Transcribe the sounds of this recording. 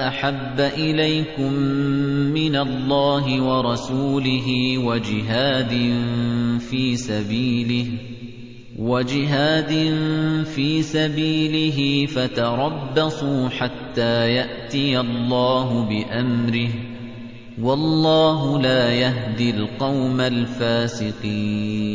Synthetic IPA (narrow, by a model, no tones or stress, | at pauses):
ʔaħabːaʔɪlajkʊmː | ɪnalːɑːɦɪwɑɾˤɑsuːlɪɦɪwad͡ʒɪɦaːd̪ɪnfiːsabiːlɪh | wad͡ʒɪɦaːd̪ɪnfiːsabiːlɪɦɪfat̪ɑɾˤɑbːɑsˤuːħat̪ːaːjaʔt̪ɪjalːɑːɦʊbɪʔamɾɪh | wɑlˤːɑːɦʊlaːjaɦd̪ɪlqɑwmalfaːsɪqiːnn